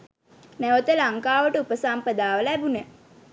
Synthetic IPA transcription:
næʋət̪əlaŋkaːʋəʈəupəsampəd̪aːʋələæbune

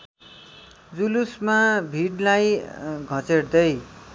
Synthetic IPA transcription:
d͡zulusmabʱiɽlajɡʱʌt͡seɽd̪ʌj

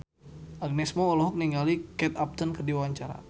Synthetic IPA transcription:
ʔaɡ̚nɛsmɔːlɔɦɔk̚niŋɡalikɛt̪ap̚t̪ənkərdiwaɲt͡ʃaɾa̰

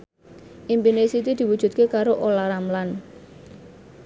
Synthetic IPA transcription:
ʔimpinesit̪id̪̥i̤wud̥ʒ̥ṳt̪̚kekaɾoʔolaɾamlan

